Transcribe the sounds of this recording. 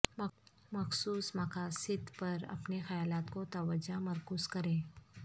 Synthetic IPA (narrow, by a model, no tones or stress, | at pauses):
mɐxsuːsmɐkaːsɪt̪pɐɾɐ̰pnexɐjaːlaːt̪kot̪ɐʋəd͡ʒamɐɾkuːskɐɾẽː